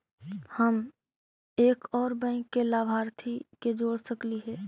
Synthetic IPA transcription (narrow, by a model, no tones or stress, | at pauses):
həm | eːkɔːɾbə̃ɪ̃kːelaːbʱaːɾt̪ʰiked͡ʒoːɽsəkliɦɛː